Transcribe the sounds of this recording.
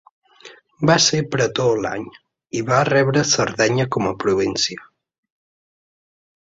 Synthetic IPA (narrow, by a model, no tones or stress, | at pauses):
basepɾət̪ola̰ɲ | iβarɛβɾəsəɾðɛɲəkɔməpɾuβ̞insjə